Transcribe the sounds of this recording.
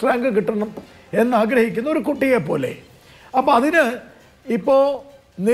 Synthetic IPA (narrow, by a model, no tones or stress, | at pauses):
raːŋɡɨkiʈːɐɳɐm | e̞nːaːɡɾɐhikʲːunːɐoɾukuʈːijepːo̞ːle̞̰ | ɐpːɐɐðinɨ | ipːo̞ː | ni